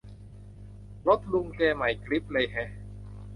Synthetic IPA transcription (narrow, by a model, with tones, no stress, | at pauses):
lo˦˥t̪̚lu˧ŋkɛː˧ma˨˩jkli˦˥p̚lɤ˧jɦɛ˦˥